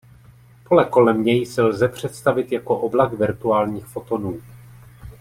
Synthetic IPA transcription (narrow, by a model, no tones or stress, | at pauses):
po̞lɛko̞lɛmɲɛjsɛlzɛpr̝̥ɛt̪st̪avɪt̪jako̞ʔoblakvɪɾt̪uaːlɲiːxfo̞t̪o̞nuː